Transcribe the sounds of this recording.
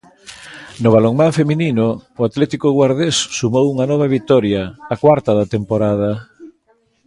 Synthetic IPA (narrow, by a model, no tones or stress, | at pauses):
nʊβaloŋmãɱfemininʊːat̪lɛt̪ikʊɣwaɾð̞esːumowuŋanɔβ̞ɐβit̪ɔɾjaːkwaɾt̪ɐðɐt̪empoɾað̞ɐ